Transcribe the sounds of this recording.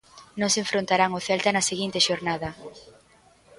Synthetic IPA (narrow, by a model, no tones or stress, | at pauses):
nõŋseɱfɾont̪aɾaŋoθɛlt̪ɐnɐseɣint̪eʃoɾnaðɐ